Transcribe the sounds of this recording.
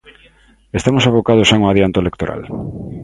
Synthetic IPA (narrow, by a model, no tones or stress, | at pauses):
est̪amosaβokaðosaŋoaðjant̪oelek̚t̪oɾʔa̰l